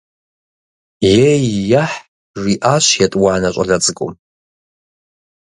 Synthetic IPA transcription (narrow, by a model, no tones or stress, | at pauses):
jejːaħ | ʒʷiʔaʃʷjatʼwaʕnat͡ʃʷʼalat͡sʼkʼo̰m